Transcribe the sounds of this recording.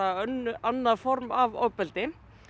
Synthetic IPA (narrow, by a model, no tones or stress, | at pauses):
ananːaðfɔɾmavœ̰pːɛlt̪ɪ